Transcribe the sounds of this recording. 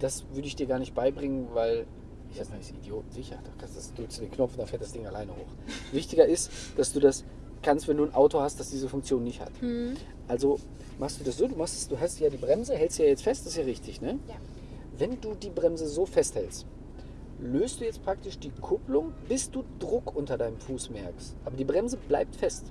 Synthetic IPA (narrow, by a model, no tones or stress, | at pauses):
d̥asvʏʁɾəɪçd̥iːɐɡaːɐnɪçt̚b̥aɪbʁɪŋənvaɪl | ʔɪç̥ḁːaːnɪçidjoːtn̩zɪçɐ̰d̥akʰanstd̥asd̥ʁʏkstudeːnkʰnɔfnd̥anfɛːltd̥asd̥ɪŋalaɪnəhoːxvɪçtɪɡɐɪstd̥asd̥uːdas | kʰanstvɛnduːnʔaʊtohast̚d̥asd̥iːzəfʊŋkt͡sjoːnːɪçtha̰t | ʔalzo | maχstd̥uːdas̬z̥oːduːmaχstɛ̥sd̥uːɦastjaːdiːbʁɛmzəɦɛlstd̥ujaːjɛt͡stfɛstd̥sɪsjaːʁɪçtʰɪçnə | vɛnduːdiːbʁɛmzəzoːfɛsthɛlst | løːstd̥uːjɛt͡stpʁ̥ak̚tɪʃd̥iːkʰʊplʊŋb̥ɪsd̥uːdʁʊkʔʊntɐdaɪnəmfuːsmɛɐkstʔaːbɐdiːbʁɛmzəbla̰ɪp̚tfɛst